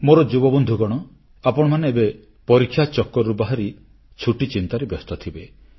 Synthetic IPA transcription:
moɾɔd͡ʒubɔbɔnd̪ʱuɡɔɽ̃ɔ | apɔɽ̃ɔmaneebe | pɔɾikʰːjat͡ʃɔkːɔɾubaɦaɾi | t͡ʃʰuʈit͡ʃint̪aɾebɔst̪ɔt̪ʰibe

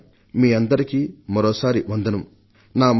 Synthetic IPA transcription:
miːɐnd̪ɐɾikiːmɐɾɔːsaːɾiʋɐnd̪ɐnɐm | naːm

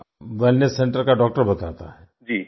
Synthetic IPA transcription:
ʋɛlnesːẽɳʈəɾkaɖɔːk̚ʈəɾbɐt̪at̪a̰ɦɛː | d͡ʒiː

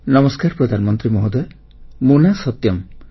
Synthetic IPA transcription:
nɔmɔskaɾpɾɔd̪ʱanmɔnt̪ɾimɔɦod̪ɔj | munasɔt̪jɔm

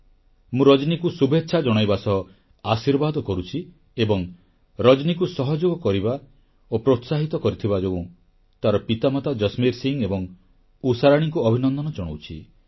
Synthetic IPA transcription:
mũɾɔd͡ʒnikusubʱetːʃʰad͡ʒɔɽ̃ajbasɔ | asiɾbad̪ɔkɔɾut͡ʃʰi | ebɔŋ | ɾɔd͡ʒnikusɔɦɔd͡ʒoɡɔkɔɾiba | opɾot̪saɦit̪ɔkɔɾit̪ʰibad͡ʒoɡũ | t̪aɾɔpit̪amɔt̪ad͡ʒɔsmiɾsiŋebɔŋ | usaɾaɽ̃iŋkuɔbʱinɔnd̪ɔnɔd͡ʒɔɽ̃owt͡ʃʰḭ

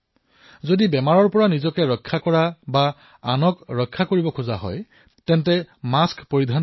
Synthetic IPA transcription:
zodibɛmaɹɔɹpɔɹanizɔkɛɹɔkʰːakɔɹabaː | nɔkɹɔkʰːakoɹibɔkʰuza̰ɦɔ̰j | tɛntɛmaskpoɹidʱan

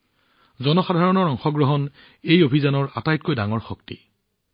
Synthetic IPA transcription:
zɔnɔxadʱaɹɔnɔɹɔŋxɔɡɹɔɦɔn | ejobʱizanɔɹatajtkojdaŋɔɹxɔktḭ

